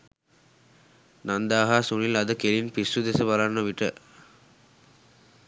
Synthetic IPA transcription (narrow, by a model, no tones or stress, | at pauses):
nand̪aːɦasunilad̪əkelinpisud̪esəbalanːəʋiʈə